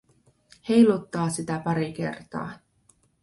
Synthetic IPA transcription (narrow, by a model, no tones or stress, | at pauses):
he̞jlut̪ːɑːsit̪æpɑɾik̟e̞̰rt̪ɑ̰ː